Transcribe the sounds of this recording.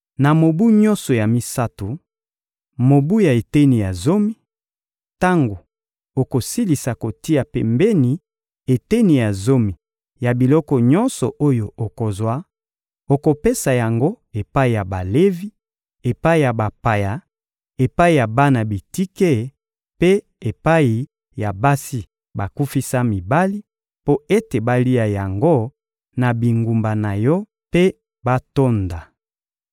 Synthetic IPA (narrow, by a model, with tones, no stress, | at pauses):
na˨mo˨bu˦ɲɔ̃˦nsɔ˨ja˨mi˦sa˦to˨ | mo˨bu˦ja˨e˨te˦ni˨ja˨zo˦mi˦ | ta˦ŋɡo˨ | o˨ko˨si˦li˨sa˨ko˨ti˦a˨pɛ˨mbe˦ni˨ | e˨te˦ni˨ja˨zo˦mi˨ | ja˨bi˨lɔ˦kɔ˨ɲɔ̃˦nsɔ˨ʔo˦jo˨o˨ko˨zwa˦ | o˨ko˨pe˦sa˨ja˨ŋɡo˦ | e˨pa˦i˨ja˨ba˨le˦vi˦ | e˨pa˦i˨ja˨ba˨pa˨ja˨ | e˨pa˦i˨ja˨ba˦na˨bi˨ti˦ke˦ | pe˦ | e˨pa˦i˨ | ja˨ba˦si˦ | ba˨ku˦fi˦sa˦mi˨ba˦li˦ | po˦e˦te˨ba˦li˦a˨ja˨ŋɡo˦ | na˨bi˨ŋɡu˨mba˨na˨jɔ˦ | pe˦ | ba˦to˦nda˨